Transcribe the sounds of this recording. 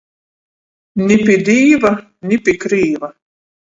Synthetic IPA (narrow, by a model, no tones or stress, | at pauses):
nʲɪpʲid̪ʲiːva | nʲipʲikɾiːva